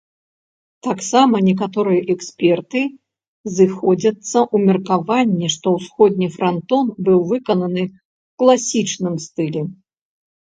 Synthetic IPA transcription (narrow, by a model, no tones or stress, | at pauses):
t̪aksamɐnʲɛk̬at̪ɔɾɨjɛʔɛksʲpʲɛrt̪ɨ | zɨxɔd͡zʲɐt̪sːɐʔumʲɛrkavanʲːɛʂt̪ɔwsxɔd̪ʲnʲifɾant̪ɔnbɨwvɨkɐnɐnɨ | klˠasʲit͡ʂnɨmst̪ɨlʲɛ